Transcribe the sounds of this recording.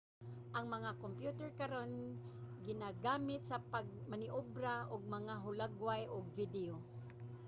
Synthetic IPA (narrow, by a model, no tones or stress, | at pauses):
ʔaŋmaŋakompjut̪ɛɹkaɾonɡɪnaɡaːmɪt̪sapaɡ̚manɪʔʊbɾaʔʊɡ̚maŋaɦʊlaɡwajʔʊɡ̚vɪd̪ɪo